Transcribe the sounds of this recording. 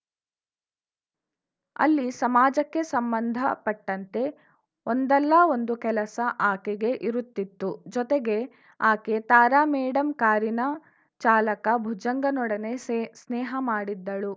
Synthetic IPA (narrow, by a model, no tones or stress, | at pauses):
ɐ̰lːisɐmaːd͡ʒɐkːe̞sɐmbɐnd̪ʱɐpɐʈːɐnt̪e̞ | ond̪ɛlːɐo̞nd̪ukɛlɐsɐʔaːkeɡe̞ʔiɾut̪ːit̪ːud͡ʒɔt̪eɡe̞ | aːke̞t̪aːɾaːmɛːɽɐmkaːɾinɐ | t͡ʃaːlɐkɐbʱud͡ʒɐŋɡɐnɔɽɐne̞snɛːɦɐmaːɽid̪ːɐɭu